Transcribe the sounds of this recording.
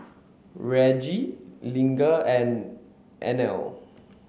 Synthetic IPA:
ɹɛd͡ʒilĩŋɡəɛ̃n | ʔɛ̰̃nɛ̰l

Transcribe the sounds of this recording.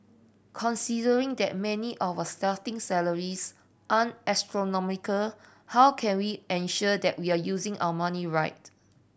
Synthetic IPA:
kʰɔ̃nsidəɹĩŋdɛ̰t̚mɛ̃niʔɔvəstatɪ̃ŋsɛləɹis | ʔãnɛstɹonɔmikəl | hawkʰɛ̃nwiɛ̃nʃɔdɛʔ̚wiajuzĩŋʔa̰wəmaniɹaɪt̚

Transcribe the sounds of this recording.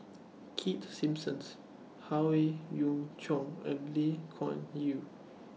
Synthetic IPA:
kʰitsĩmpsə̃ns | hawejũŋt͡ʃʰɔ̃ŋɛ̰̃nlekʰɔ̰̃nji

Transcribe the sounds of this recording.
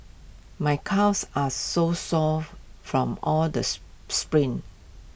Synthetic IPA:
majkʰasasosɔffɹɔ̃mɔldəspɹĩn

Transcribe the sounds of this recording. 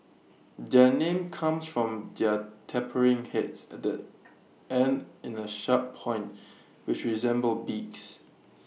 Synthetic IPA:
dɛnẽmkʰãmsfɹɔ̃mdɛtʰɛpʰəɹɪ̃ŋhɛtsɛt̚də | ɛ̃ndɪ̃nəʃat̚pʰɔ̃ɪ̃nt | wɪt͡ʃɹizɛ̃mbəlbiks

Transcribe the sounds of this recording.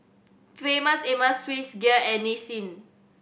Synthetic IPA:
ffemaseməsːwisɡiəɛnisĩn

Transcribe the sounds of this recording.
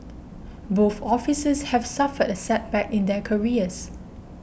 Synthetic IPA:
boθɔfisəshɛv̥safədəsɛt̚bɛkɪ̃ndɛkʰəɹiəs

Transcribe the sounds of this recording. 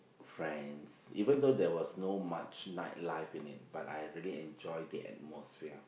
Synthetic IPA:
fɹɛ̃nsivə̃ndodɛwɔsnoma̰t͡ʃnaɪt̚laɪfĩnɪ̰t̚b̥atajɹiəliɛ̃nd͡ʒɔjdiʔɛ̰t̚mɔsfiə

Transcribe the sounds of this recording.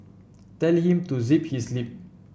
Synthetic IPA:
t̪ɛlhĩmt̪uzip̚hislip̚

